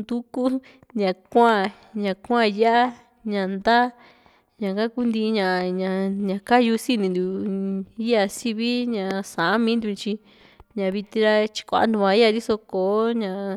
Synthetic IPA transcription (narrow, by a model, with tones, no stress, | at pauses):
d̪u˦ku˦ | ɲã˨kʷã˦˧˨ | ɲã˨kʷã˦˧ja˦ʔa˦ | ɲã˨nd̪a˦ | ɲã˨kã˦ku˦nd̪ĩ˧ɲã˨ɲã˧ɲã˧˨ka˦ju˧si˦nĩ˧nd̪u˨ | i˦ja˧si˧βi˦ɲã˨sã˨˦mĩ˧˦nd̪u˧t͡ʃi˧ | ɲã˨βi˧t̪ĩ˧ɾa˦t͡ʃi̥˧kʷa̰˧a̰˧nd̪ũ˧βã˧i˦a˧d̪i˦so˧koː˨˦ɲã˧˨